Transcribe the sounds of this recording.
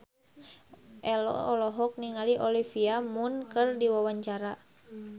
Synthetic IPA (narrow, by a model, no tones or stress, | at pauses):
ʔɛlɔ̰ːlɔɦɔk̚niŋaliʔɔlifiamunkɨrdiwawaɲt͡ʃaɾa